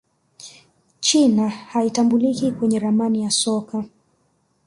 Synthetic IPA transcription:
t͡ʃinahaitambulikikwɛɲɛɾamanijasɔka

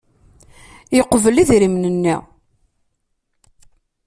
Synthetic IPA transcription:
jəqːvəliðɾimnənːḭ

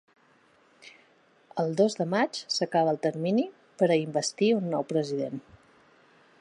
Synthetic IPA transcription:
əlˠd̪ozd̪əmat͡ʃsəkaβəlˠt̪əɾmini | pəɾəimbəst̪iunːɔwpɾəziðen

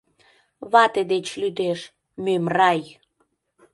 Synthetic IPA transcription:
βɑt̪ed̪et͡ɕlyd̪eʃ | mømrɑj

